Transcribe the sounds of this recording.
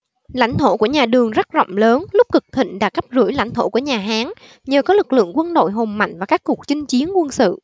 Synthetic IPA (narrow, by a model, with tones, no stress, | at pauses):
la̰˧˩jŋ̟t̪ʰo˧˩ku˧˩əɲaː˨˩ɗɨ˨˩əŋza˦˥zɔ̰˧˨wŋ͡mləː˨˦nlʊ˦˥k͡p̚kɨ˨˩k̚t̪ʰḭ˧˨ŋ̟ɗa̰ː˧˥ka˦˥p̚zu˧˩jla̰˧˩jŋ̟t̪ʰo˧˩ku˧˩əɲaː˨˩ɦaː˨˦ŋ | ɲəː˨˩kɔ˨˦lɨ˨˩k̚lɨ̰˧˨əŋkwə˧nɗo̰˧˨jɦo˨˩mma̰˧˨jŋ̟vaː˨˩kaː˦˥kːu˨˩ə˩k̚t͡ɕï˧ŋ̟t͡ɕi˨˦ənkwə˧nsɨ̰˧˨